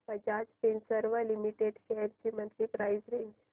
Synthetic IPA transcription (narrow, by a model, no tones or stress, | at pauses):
pəd͡ʑat͡spensəɾʋəlimiʈeɖɕejɾt͡ɕimə̃nt̪ɾipɾajzɾeɲd͡ʑ